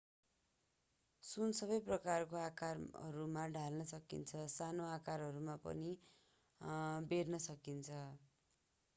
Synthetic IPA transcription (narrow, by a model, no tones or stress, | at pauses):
sunsʌbʌjprʌkarkoakarʌ̰ɾumaɖʱalnʌsʌkḭnt͡sʰʌsanoakaɾɦʌɾumapʌ̰ni | beɾnʌsʌkint͡sʰʌ